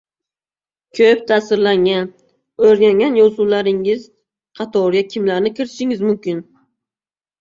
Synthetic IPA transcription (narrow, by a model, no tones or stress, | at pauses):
kʲʰɵp̚t̪ʰaːsɪɾlaŋan | ɵɾɡʲaŋʲanjɒzulaɾɪŋɪz | qʰɑt̪ʰɒɾjakʲʰɪmlaɾnɪkʲʰɪɾɪɪʃɪŋɪzmʊmkʲɪn